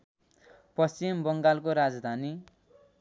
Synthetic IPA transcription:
pʌst͡simbʌŋɡalkoɾad͡zd̪ʱani

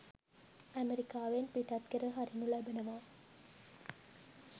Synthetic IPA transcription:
æmeɾikaːʋenpiʈat̪kəɾəɦaɾinulabənəʋaː

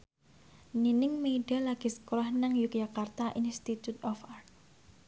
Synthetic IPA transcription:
ninɪŋmeiɖalaɡ̥i̤sə̥koɾahnaŋjuk̚jakart̪aʔinst̪it̪ut̪̚ɔfart̪̚

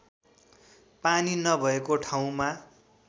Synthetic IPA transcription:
paninʌbʱʌekoʈʰaw̃ma

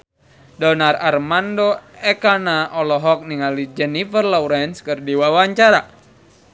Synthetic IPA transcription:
dɔnararmandoɛkanaʔɔlɔɦɔk̚niŋalid͡ʒɛnifərlawɾɛnskərdiwawaɲt͡ʃaɾa

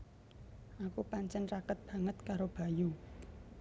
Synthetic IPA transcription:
ʔakupaɲt͡ʃɛnrakət̪̚b̥a̤ŋət̪̚kaɾob̥a̤ju

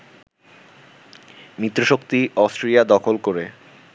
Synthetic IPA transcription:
mit̪ːɾoʃokt̪iɔsʈɾelijad̪ɔkʰolkoɾe

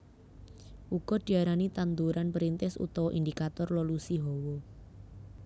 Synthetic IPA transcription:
ʔuɡ̥ɔ̤d̥i̤aɾanit̪and̪uɾanpəɾint̪ɪsṵt̪ɔwɔʔind̪ikat̪ɔrlɔlusiɦɔwɔ

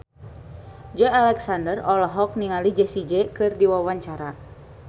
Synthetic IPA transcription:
d͡ʒəalɛksandərɔlɔɦɔk̚niŋalid͡ʒɛsid͡ʒɛkɨrdiwawaɲt͡ʃaɾa

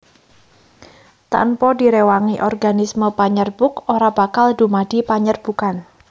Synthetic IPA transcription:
t̪a̰npɔdiɾewaŋiʔɔrɡanisməpaɲərb̥ʊkoɾab̥akaldumad̥i̤paɲərb̥ukan

